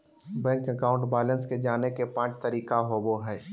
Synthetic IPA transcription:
bɛ̃ːŋkəkaːʊ̃ɳʈbɛːlə̃nsked͡ʒaːnekepãːt͡ʃt̪ɐɾiːkaɦoboɦɛː

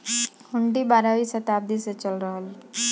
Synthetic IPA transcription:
hʊɳɖibaːɾaʋisət̪aːb̚d̪iset͡ʃəlɾəɦəl

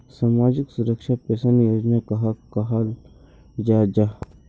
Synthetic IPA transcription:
saːmaːd͡ʒɪksuɾəkʃapɛːsanjoːd͡ʒnakaɦkaɦal | d͡ʒaːd͡ʒa

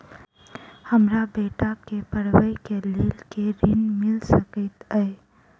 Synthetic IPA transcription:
həmɾabeːʈakepəɾwəikeliːlkeɾɪnmɪlsəkit̪əe

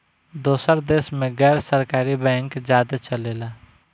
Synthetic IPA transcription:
d̪oːsəɾd̪eːsmẽɡɛːɾsəɾkaːɾibɛ̃ːŋkd͡ʒaːd̪t͡ʃəleːla

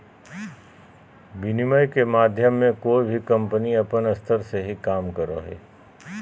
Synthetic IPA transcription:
bɪniməjkemaːd̪ʱjəmːẽkoːibʱikɐ̃mpəniɐpənɐst̪ʰəɾseɦikaːmkəɾo̰ɦḛː

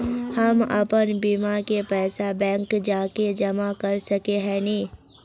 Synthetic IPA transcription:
hɐmɐ̰pənbiːmakepɛːsabɛ̃ːŋkd͡ʒaːked͡ʒɐmakɐɾsɐkeɦɛːnĩː

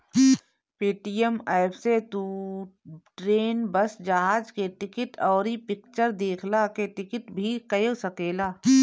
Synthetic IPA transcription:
peːʈijəmaːɪpʰset̪u | ʈɾeːnbəsd͡ʒɐɦaːd͡ʒkeʈɪkɪʈɔːɾipɪkt͡ʃəɾd̪eːkʰlakeʈɪkɪʈbʱikɐjosɐkeːlaː

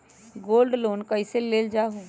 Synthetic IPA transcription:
ɡoːlɖloːnkəɪseleːld͡ʒaːɦoː

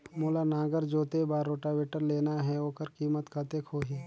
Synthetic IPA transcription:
moːlanaːɡəɾd͡ʒoːt̪ebaːɾːoːʈaʋeːʈəɾleːnaɦɛoːkəɾkiːmət̪kat̪ekʰoːɦi

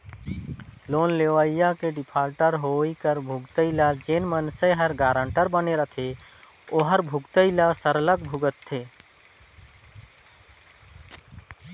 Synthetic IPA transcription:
loːnleʋaijakeɖɪpʰaːɾʈəɾɦoikəɾbʱuɡt̪əɪlad͡ʒeːnmənsəɦəɾɡaːɾə̃ɳʈəɾbəneɾət̪ʰe | oɦəɾbʱuɡt̪əɪlasəɾələɡbʱuɡət̪ʰːeː

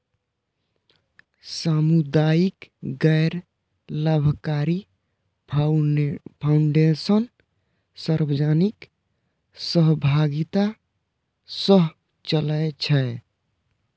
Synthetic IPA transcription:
samud̪aikɡɛjɾ | ləbʱkaɾi | pʰauɳɖesən | səɾbəd͡ʒanik | səɦbʱaɡit̪a | səɦ | t͡ʃələt͡ʃʰɛ

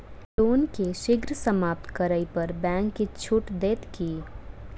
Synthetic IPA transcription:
ʈoːnkeʃɪɡɾsəmaːp̚t̪ʰkəɾəipɐɾbɛ̃ːŋkːit͡ʃʰʊʈd̪eːt̪kiː

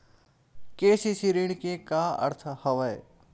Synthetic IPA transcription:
keːsisiɾiɽ̃kekaɐ̰ɾt̪ʰhɐʋəe

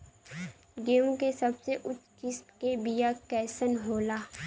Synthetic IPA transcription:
ɡeːmkesəbseʔʊt͡ʃkɪsʈkebijakɛːsənɦoːlaː

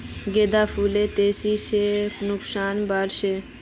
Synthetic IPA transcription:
ɡeːd̪aːfʰuːleːt̪eːsiːʃeːnʊksaːnbaːɾʃeː

